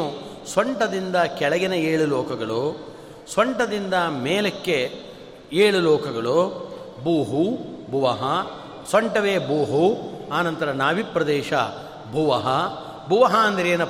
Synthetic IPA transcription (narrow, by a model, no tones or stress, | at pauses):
u | sɐɳʈɐd̪ind̪ɐkɛɭɐɡɛnɐeːɭulɔːkɐɡɐɭu | sɐɳʈɐd̪ind̪ɐmeːlɐkːe | eːɭulɔːkɐɡɐɭu | buːɦubʱuʋɐɦɐ | sɐɳʈɐʋeːbuːɦuaːnɐnt̪ɐɾɐnaːʋipɾɐd̪ɛːʃɐ̰ | bʱuʋɐɦɐ | bʱuʋɐɦɐɐnd̪ɐɾeːnɐ